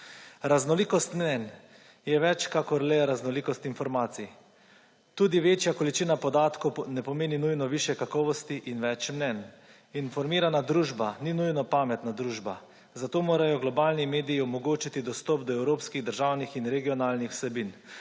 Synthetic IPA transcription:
ɾaznɔliːkɔst̪mnɛn | jɛʋɛt͡ʃkakɔɾlɛɾaznɔliːkɔst̪infɔɾmaːt̪si | t̪uːd̪iʋeːt͡ʃjakɔlit͡ʃiːnapɔd̪aːt̪kownɛpɔmeːninujnɔʋiːʃjɛkakɔːʋɔst̪iʔinʋɛt͡ʃmnɛn | infɔɾmiːɾanad̪ɾuːʒbaninujnɔpaːmɛt̪nad̪ɾuːʒba | zat̪oːmoːɾajɔɡlɔbaːlnimeːd̪iːɔmɔɡoːt͡ʃit̪id̪ɔst̪ɔpd̪ɔɛwɾoːpskiɣd̪əɾʒaːwnixinɾɛɡijɔnaːlnixw̥sɛbin

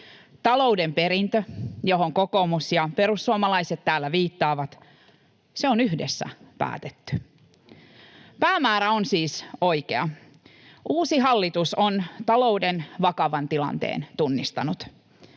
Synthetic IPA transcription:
t̪ɑlo̞uwde̞mpe̞ɾint̪øjo̞ɦoŋko̞ko̞musjɑpe̞ɾusːuɑmɑlɑiset̪tæːlːæʋiːt̪ːɑːʋɑt̪ | se̞onyhdesːæ̰pæ̰ːt̪et̪ːy̥ | pæːmæːɾæonsiːso̞jke̞ɑ | ʔuːsiɦɑlːit̪usont̪ɑlo̞wdenʋɑkɑʋɑnt̪ilɑ̰nt̪ḛːnt̪unːist̪ɑnut̪

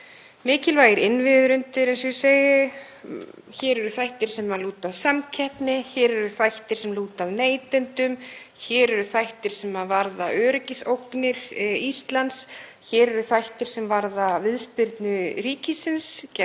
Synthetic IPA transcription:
mɪːcɪlvaːjɪɾɪnvɪðɾʏnt̪ɪɾɛnsʏseːjɪ | çɛːɾɛɾʏθajht̪ɪɾ̥sɛmaluːt̪aðsamcʰɛhpnɪçɛːɾɛɾʏθajht̪ɪɾ̥sɛmluːt̪avneːjt̪ɪnt̪ʏm | çɛːɾɛɾʏθajht̪ɪɾ̥sɛmaðvaɾðaœːɾɪcɪsowknɪɾist̪lans | çɛːɾɛɾʏθajht̪ɪɾ̥sɛmvaɾðavɪðspɪɾt̪nʏɾiːcɪsɪnscɛ

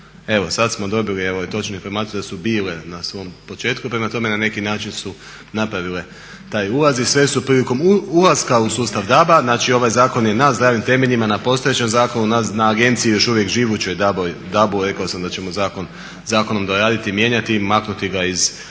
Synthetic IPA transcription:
e̞ʋo̞sat̪smo̞d̪o̞bilie̞ʋjt̪o̞t͡ʃnuinfo̞ɾmaːt̪sijud̪asubiːle̞nasʋo̞mpo̞t͡ʃe̞ːt̪kupɾe̞mat̪o̞me̞nane̞kinaːt͡ʃinsu | napɾaʋile̞ | t̪aːjulazisʋe̞supɾiːliko̞mulazkausuːst̪aʋd̪abaznaːt͡ʃio̞ʋajzaːko̞nje̞nazd̪ɾaːʋimt̪e̞me̞ʎimanapo̞st̪o̞je̞t͡ɕe̞mzaːko̞nunanaːɡe̞nt̪siijo̞ʃuʋje̞kʒiʋut͡ɕo̞jd̪abojd̪abuɾe̞kaosamd̪at͡ʃe̞mo̞zaːko̞n | zaːko̞no̞md̪oɾaːd̪it̪imje̞ɲat̪imaknut̪iɡaiz

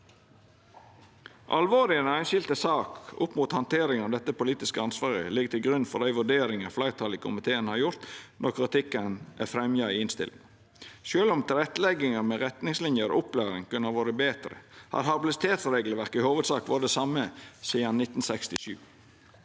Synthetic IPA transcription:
ʔɑ̰lʋoːɾɪənæɪnʃɪlt̪əsɑːkʊpmuːt̪hɑnt̪ʰeːɾɪŋɑʋd̪ɛt̪ːəpʊliːt̪ɪskəɑnsʋɑːʁɪəlɪɡt̪ʰɪlɡɾʉnfɔɾd̪æɪʋʉɖ̪eːɾɪŋɑflæɪʁt̪ʰɑlikʰʊmɪt̪ʰeːənhɑɾjʊɾt̪nʔɔʁkʰɾɪt̪ʰɪkːənʔæ̰fɾɛmjɑiɪnst̪ɪ̰lɪŋ | ʃøːlɔmt̪ʰɪlɾɛt̪ːlɛɡɪŋəmɛɾɛt̪nɪŋslɪnjəɾʊplæːɾɪŋkʉnəɑʋoːɾəbeːt̪ɾə̰hɑ̰ɾhɑblɪsɪt̪ʰeːt̪sɾeːɡləʋæɾkɪhoːʋəd̪sɑːkʋoːɾəd̪ɛsɑməsiːɑnnɪt̪ːn̩sɛkst̪ɪʃʉ̰ː

